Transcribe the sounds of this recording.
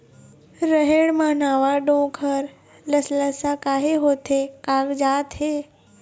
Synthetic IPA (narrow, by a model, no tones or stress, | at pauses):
ɾəɦeɽmãnaːʋaɖõːkʰəɾ | ləsləsakaːɦeɦoːt̪ʰekaːɡd͡ʒaːt̪ɦeː